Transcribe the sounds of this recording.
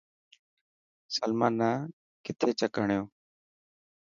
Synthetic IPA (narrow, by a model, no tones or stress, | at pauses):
səlmãːnːaː | kɪt̪ʰeːt͡ʃəkəɳjoː